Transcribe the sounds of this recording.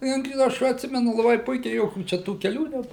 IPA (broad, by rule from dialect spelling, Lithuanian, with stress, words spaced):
ˈjʊk ˈɐʃ ɐtʲˈsʲɪmʲɛnʊ lˠɐˈbɐɪ ˈpʊɪkʲɛɪ ˈjoːkʲuː ˈt͡ʃʲɛ tuː kʲɛˈlʲuː ˈnʲɛp